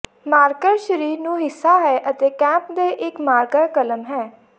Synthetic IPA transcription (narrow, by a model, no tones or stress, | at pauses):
maːɾkəɾʃəɾiːɾnũːɦɪsːaːɦɛːʔət̪eːkɛ̃ːmp̚d̪eːʔɪkmaːɾkəɾkələmɦɛː